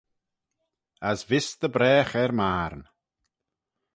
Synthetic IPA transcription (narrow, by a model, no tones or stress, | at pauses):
asvɪsd̪əbɾɛːxɛɾmaːɾn